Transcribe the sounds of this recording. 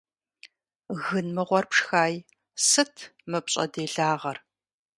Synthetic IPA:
ɣɨnmɨʁʷɔrpʂxaːj | sɨtʰmɨpɕʼɐ̰deːɮaːʁɐr

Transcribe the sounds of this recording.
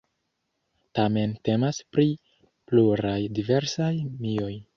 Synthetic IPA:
tame̞nte̞maspɾi | pluɾajdive̞ɾsajmio̞j

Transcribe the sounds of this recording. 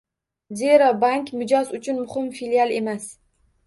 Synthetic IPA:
zeɾabaŋkʲmɪd͡ʒɒzʊt͡ʃʰʊnmʊhɪmfilialˠe̞mas

